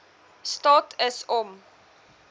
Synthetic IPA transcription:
stɑːtʰəsɔm

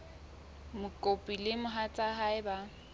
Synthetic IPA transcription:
mʊkʼopʼilɪmʊɦat͡sʼaɦaɪba

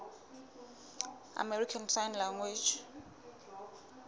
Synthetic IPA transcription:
a̰mɛrikʰansajnlaŋwed͡ʒ

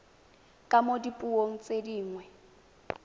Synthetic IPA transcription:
kʼamodipʼuoŋ̩t͡sʼediːŋwɛ

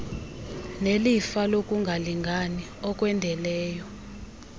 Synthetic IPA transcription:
nelifalok̬ʼuŋɡʱaliŋɡʱani | ɔk̬ʼwɛndʱɛlɛːjɔ

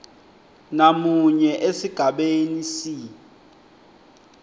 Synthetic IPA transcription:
namuɲɛʔesiɡ̥ʱaɓenisi

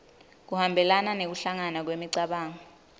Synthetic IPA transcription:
k̬uhambʱɛlananek̬uɬaŋanak̬wemiǀaɓaːŋɔ

